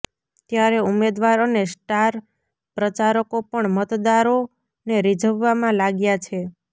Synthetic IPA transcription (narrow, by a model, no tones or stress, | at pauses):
t̪jaɾeumed̪ʋaɾənesʈaɾ | pɾət͡ʃaɾəkopəɳmət̪d̪aɾo | neɾid͡ʒʱəʋːamãlaɡjat͡ʃʰe